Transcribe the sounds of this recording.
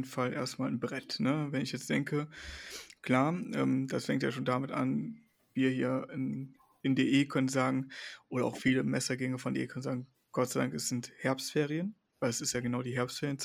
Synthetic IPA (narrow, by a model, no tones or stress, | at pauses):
n̩falʔḛːɐstmaːlnbʁɛtnəvɛnɪçjɛt͡std̥ɛŋkə | kl̥aːɐʔɛ̰ːmd̥asfɛŋktjaːʃoːndamɪtʔa̰n | viːɐhiːɐɪn | ɪndeːʔeːkʰœnənzaːɡŋ̩ʔoːɾɐa̰ʊxfiːləmɛsɐɡɛŋəfɔndḛʔḛːkʰœnənzaːɡŋ̩ | ɡ̥ɔtt͡saɪdaŋkɛsz̥ɪnthɛɐpstfeːʁiən | vaɪlɛsɪstjaːɡənaʊdiːɦɛɐpstfeːɐʁjənt͡s